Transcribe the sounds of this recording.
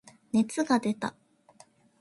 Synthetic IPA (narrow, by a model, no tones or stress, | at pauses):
ne̞t͡sɨɡad̪e̞t̪a̰